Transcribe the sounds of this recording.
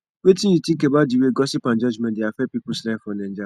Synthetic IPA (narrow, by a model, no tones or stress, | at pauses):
wetĩjĩtĩkebadiweɡɔsipãnd͡ʒɔd͡ʒmɛ̃ndeafɛpipuslɛ̃fɔ̃nɛ̃d͡ʒa